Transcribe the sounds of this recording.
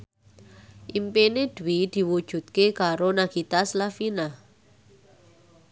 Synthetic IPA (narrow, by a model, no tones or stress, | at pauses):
ʔimpened̪̥uid̪̥i̤wud̥ʒ̥ṳt̪̚kekaɾonaɡ̥it̪aslafina